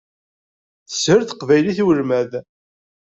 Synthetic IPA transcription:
θə̥səɾθə̥qvæjliθiwəlmæð

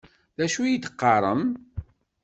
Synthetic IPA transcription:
ðæʃujit̪ːə̥qːɑɾˤəm

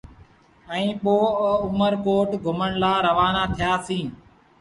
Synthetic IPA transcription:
ɛ̃ĩːɓoːəʊməɾkoːʈɡʱʊməɳlaːɾəʋaːnaːt̪ʰɪjaːsĩː

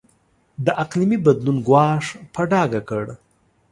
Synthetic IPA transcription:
d̪əʔaqlimibad̪lunɡwɑʂpaɖɑɡakəɽ

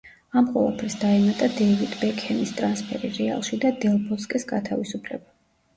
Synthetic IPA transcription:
amqʼwɔ̰lˠa̰pʰɾisd̪aɛmat̪ʼad̪ɛvit̪bɛkʼʰhɛnist̪ʼɾanspʰɛ̰ɾiɾɛa̰lˠʃid̪ad̪ɛlˠbɔskʼɛsɡat̪ʰavisupʰlɛ̰ba

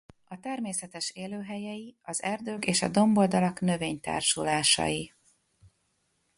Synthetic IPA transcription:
ɒt̪ɛrmeːsɛt̪ɛʃeːløːɦɛjɛjiɒzɛrd̪øːkeːʃɒ̰d̪o̞mbo̞ld̪ɒlɒknø̞veːɲt̪a̰ːrʃṵlaːʃɒ̰ji

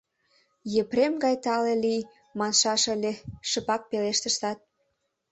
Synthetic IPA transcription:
jəpɾemɡɑjt̪ɑlelij | mɑnʃɑʃə̆lʲeʃəpɑk̚peleʃt̪ə̆ʃt̪ɑt̪̚

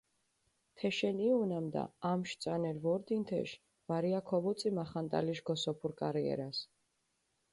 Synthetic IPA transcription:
t̪ʰɛʃɛniunamd̪a̰amʃt̪sʼanɛɾvɔɾd̪int̪ʰɛ̰ʃ | vaɾiakʰɔvɔt̪sʼimaχant̪ʼa̰liʃɡɔsɔpʰuɾkʼaɾiɛ̰ɾas

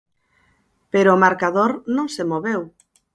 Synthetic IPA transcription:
peɾoːmaɾkaðoɾnõŋsemoβew

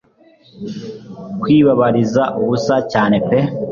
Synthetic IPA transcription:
kwiːβaβaɾizaʔuβusacaːne̞pe

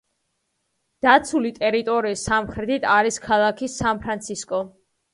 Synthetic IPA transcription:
d̪̥at̪sʰulit̪ʼɛɾit̪ʼɔɾiːsːamχɾɛt̪ʰit̪ʰaɾiskʰalˠakʰisanpʰɾant̪sʰiskʼɔ

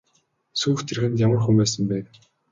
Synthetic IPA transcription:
suːxt̪ʰerxɘ̆nt̪jamə̆rxumæːsə̆mpæːt̪

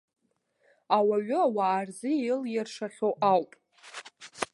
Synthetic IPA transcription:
awaɥʏawaːrzɨijɪljɪrʂaχʲoʔawpʼ

